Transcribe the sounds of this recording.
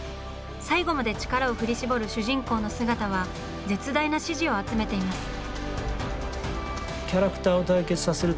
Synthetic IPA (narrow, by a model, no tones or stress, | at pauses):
saiɡo̞mad̪e̞t͡ɕi̥kaɾao̞ɸɯ̟ɾʲiɕibo̞ɾɯ̟ɕɨʑĩŋko̞ːno̞sɨɡat̪aβ̞a | d͡ze̞t͡sɨd̪ainaɕiʑio̞at͡sɨme̞t̪e̞imasɨ̥ | kʲaɾakɯ̟̥t̪aːot̪aike̞t͡sɨ̥sase̞ɾɯ̟